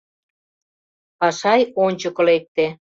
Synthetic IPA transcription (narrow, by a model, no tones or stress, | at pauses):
pɑʃɑjonʲt͡ɕə̆kɤ̆lek̚t̪e